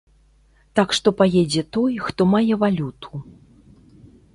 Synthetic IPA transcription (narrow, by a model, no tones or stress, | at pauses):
t̪akʂt̪ɔpajɛd͡zʲɛt̪ɔjxt̪ɔmajɛvalʲut̪ʰu̥